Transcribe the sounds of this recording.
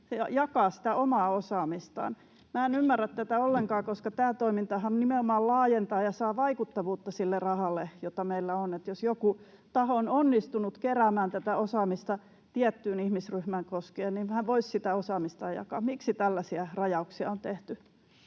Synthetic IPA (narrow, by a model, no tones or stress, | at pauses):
seɑ̰jɑkɑːsi̥t̪æʔomɑːosɑːmist̪ɑ̰ːn | mæːenymːærːæt̪t̪æt̪æolːeŋkɑːkoskɑt̪æːt̪oimint̪ɑhɑnnimeomɑːllɑːjent̪ɑːjɑsɑːʋɑikut̪ːɑʋuːt̪ːɑsilːerɑhɑlːejot̪ɑmeilːæonet̪josjoku | t̪ɑhoononːist̪unut̪keræːmæːnt̪æt̪æosɑːmist̪ɑ | t̪iɛt̪ːyːnihmisryhmæŋkoskeːnniʋhæʋoissit̪æosɑːmist̪ɑːjɑ̰kɑ̰ːmiksit̪ælːæsiærɑjɑuksiɑ̰ont̪eht̪y